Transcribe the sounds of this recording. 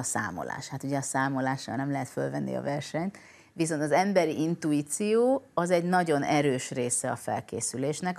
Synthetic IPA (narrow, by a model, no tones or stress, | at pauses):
sa̰ːmo̞̰la̰ːʃhat̪uɟɛɒsaːmo̞laːʃɔ̰ːlnɛmlɛɦɛt̪fø̰lvɛnːʔḭɒ̰vɛrʃɛɲt̪ | ʋiso̞nt̪ɒzɛmbɛɾiʔint̪uiːt̪sijoːɒzɛɟnɒɟo̞nɛɾøːʃreːsɛɒfɛ̰lkḛːsyleːʃnɛk